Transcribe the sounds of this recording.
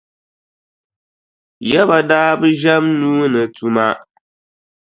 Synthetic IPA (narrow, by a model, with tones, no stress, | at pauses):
jɛ˦βa˨daː˦bɨ˦ʒɛ˦mnuː˦nɨ˨tu˦ma˦